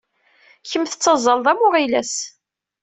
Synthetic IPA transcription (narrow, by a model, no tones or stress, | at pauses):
çəmθət͡sːəzˤːəlðˤæmʊʁilæs